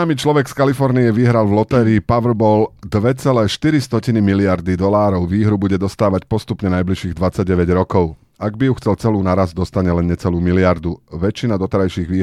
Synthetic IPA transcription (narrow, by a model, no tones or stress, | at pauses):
aːmiːt͡ʃlɔʋɛkskalifɔɾnijɛʋiɦɾalvlɔt̪ɛːɾiːpaʋr̩bɔːld̪ʋɛt͡sɛlɛːʃt̪iɾist̪ɔcinimiliaɾd̪id̪ɔlaːɾɔʊʋiːɦɾubuɟɛd̪ɔst̪aːʋacpɔst̪upɲɛnajbliʃiːɣd̪ʋat͡saɟ̚ɟɛʋɛɟɾɔkɔʊ | aɡbijuxt͡sɛlt͡sɛluːnaɾazd̪ɔst̪aɲɛlɛnɲɛt͡sɛluːmiliɪaɾd̪uʋɛt͡ʃːinad̪ɔt̪ɛɾajʃiːɣʋiː